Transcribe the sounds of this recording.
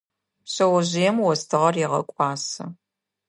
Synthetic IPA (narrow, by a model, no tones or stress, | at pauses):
pɕɐwɐʑɪjɛmwɔstʰɨʁɐrjɪʁɐ̰kʷʼɑːsɐ